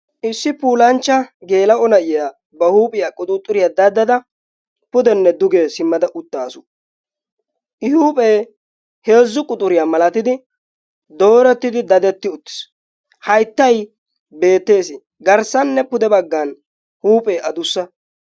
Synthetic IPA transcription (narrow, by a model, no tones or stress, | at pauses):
ʔɪsːɪpuːlɐnt͡ʃːɐɡe̞ːlɐɔnɐʔɪjaː | bɐhuːpʼɪjakʼʊt̪ʼʊt̪ʼːʊɾɪjad̪ɐd̪ːɐd̪ɐ | pʊd̪ɛnːɛd̪ʊɡesɪmːɐd̪ɐʔʊt̪ːaːsʊ̥ | ʔɪhuːpʼeː | he̞ːzːʊkʼʊt̪ʼːʊɾɪjamɐlɐt̪ɪd̪ɪ | d̪o̞ːɾɛt̪ːɪd̪ɪd̪ɐd̪ɛt̪ːɪʊt̪ːɪ̥s | hɐjt̪ːɐj | be̞ːt̪ːe̞ːsɪ | ɡɐɾsɐnːɛpʊd̪ɛbɐɡːɐn | huːpʼeːʔɐd̪ʊsːɐ